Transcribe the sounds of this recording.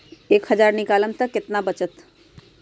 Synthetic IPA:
eːkhəd͡ʒaːɾnɪkaːlənt̪əkɪt̪nabət͡ʃət̪

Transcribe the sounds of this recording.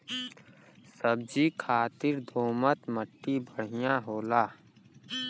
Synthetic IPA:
səb̚d͡ʒiːkʰaːt̪ɪɾd̪ʱoːmət̪məʈːibəɽ̤ɪjãɦoːlaː

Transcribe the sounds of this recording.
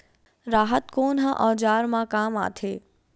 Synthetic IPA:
ɾaːɦət̪koːnɦãʔɔːd͡ʒaːɾmãkaːma̰ːt̪ʰeː

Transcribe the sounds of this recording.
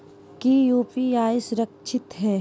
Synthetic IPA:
kijuːpijaːjsɾɐkt͡ʃʰɪt̪ɦɛː

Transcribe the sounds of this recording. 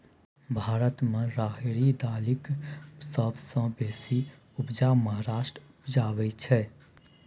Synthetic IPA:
bʱaːɾət̪mẽɾaɦiɽid̪aliksəbsə̃besi | upd͡ʒaməɦaɾaːʃʈɾupd͡ʒaβɛt͡ʃʰɛ

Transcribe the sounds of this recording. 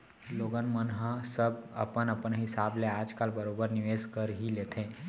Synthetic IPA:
loːɡənmənɦãsəbɐ̰pənɐpnɦɪsaːbleaːd͡ʒkaːlbɐɾoːbəɾnɪʋeːzkəɾɦileːt̪ʰẽː

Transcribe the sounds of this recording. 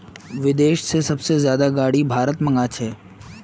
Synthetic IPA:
ʋɪd̪eːʃsesɐbsezjaːd̪aɡaːɽibʱaːɾət̪mɐ̃ŋɡat͡ʃʰɛː

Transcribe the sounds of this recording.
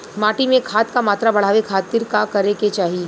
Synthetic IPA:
maːʈimẽkʰaːt̪kamaːt̪ɾabɐɽ̤aːʋekʰaːt̪ɪɾkakɐɾeket͡ʃaːɦie

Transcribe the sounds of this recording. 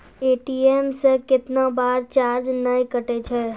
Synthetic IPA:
eːʈieːmsekɪt̪nabaːɾt͡ʃaːɾd͡ʒnəĩkəʈet͡ʃʰɛː

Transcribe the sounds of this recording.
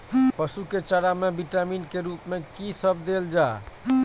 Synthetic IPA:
pəsuket͡ʃaɾamebiʈaminkeɾupmekisəbʱd̪eld͡ʒa

